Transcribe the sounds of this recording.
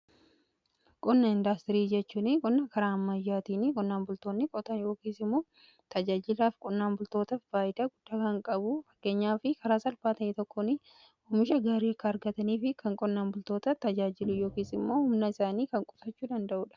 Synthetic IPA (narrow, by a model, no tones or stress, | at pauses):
kʼɔnːɐɪnd̪aːst̪ɪɾiːd͡ʒɛt͡ʃːuːnɪkʼɔnːɐkɐɾaːɐmːɐjːaːt̪iːnɪkʼɔnːaːmbʊlt̪o̞ːnːɪkʼɔt̪ɐjo̞ːkiːsɪmːoː | t̪ɐd͡ʒaːd͡ʒɪlaːfkʼɔnːaːmbʊlt̪o̞ːt̪ɐfbaːjɪt̪ɐɡʊd̪̥ːaːkɐŋkʼɐbʊfɐ̥kːe̞ːɲːaːfɪkɐɾaːsɐlfaːt̪ɐit̪ɔkʰːonɪ | ʊmɪʃɐɡaːɾiːɐkːɐːɾɡɐt̪ɐniːfɪkʰɐŋkʼɔnːaːnbʊlt̪o̞ːt̪ɐt̪ɐd͡ʒaːd͡ʒɪlʊjo̞ːkiːsɪmːo̞ːhʊmnɐɪsaːniːkɐŋkʼʊfɐt͡ʃːuːd̪ɐnd̪ɐʔuːᶑɐ̥